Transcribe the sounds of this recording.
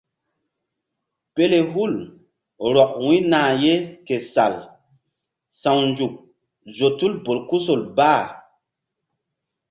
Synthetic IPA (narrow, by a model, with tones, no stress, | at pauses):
pe˦le˨ɦu˦˨l | ɾɔ˨k̚wĩ˦nãː˨je˦ke˨sa˨l | sã˨wnd͡ʒu˨k̚ | zo˨tu˦lbo˨lku˦so˨lbaː˦˨